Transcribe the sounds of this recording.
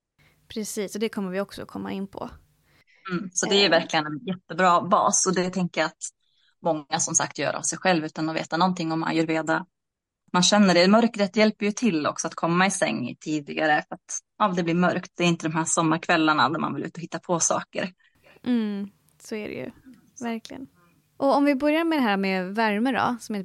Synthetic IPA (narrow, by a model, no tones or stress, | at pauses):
pʰɾɛsiːsɔd̪ɛkʰɔmːəɾvɪɔksɔ̰kʰɔmːa̰ɪnːpʰɔ̰ː | sɔd̪ɛæjɵvæɾklɪɡənɛnjɛt̪ːəbɾɑːbɑ̰ːsɔd̪ɛt̪ʰɛŋkəjaat̪ | mɔŋːasɔmsa̰k̚t̪jœ̰ːɾʔa̰vsɛjɧɛlvʉ̟ːt̪anɔvḛːt̪anɔnt̪ʰɪŋːɔmːa̰njœːɾveːd̪a | t̪manɕɛnːəɖɛmœɾkɾeːt̪ːjɛlpəɾjɵt̪ʰɪlːɔ̰ksɔat̪kʰɔmːaɪsɛ̰ŋ̰ːt̪ʰiːd̪ɪɡaɾəfœɾat̪ | ɑːd̪ɛblɪɾmœɾkt̪̚d̪ɛːɾjɪnt̪əd̪ɔmɦæːʂɔmːaɾkʰvɛlːaɳad̪æɾma̰nvɪlʉ̟ːt̪ɔhɪt̪ːapʰɔsɑ̰ːkə̰ɾ̩ | sɔæɾɛ̰jɵ̰ | væɾklɪɡə̰n | ʔɔɔmvɪbœɾjaɾmɛd̪ɛɦæːɾmɛvæɾməɖɔ̰sɔmɪn